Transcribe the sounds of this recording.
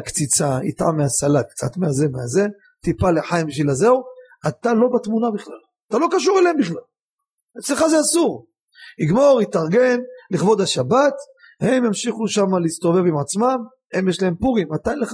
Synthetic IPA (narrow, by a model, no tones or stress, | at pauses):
kt͡sit͡saḭt̪ʕa̰mːeasalakt͡sa̰t̪meazemeaze̞ | t̪ipaleħajimbiʃ̬vilaze̞u | at̪alo̞bat̪munabiχlal | at̪alo̞kaʃuʁelehembiχlal | et͡sleχazeasuʁ | iɡmo̞ʁit̪aʁɡe̞nliχvo̞d̪aʃabat̪ | hemjamʃiχuʃamalist̪o̞ve̞vimʕat͡smam | e̞mjeʃlahempuʁimat̪anleχ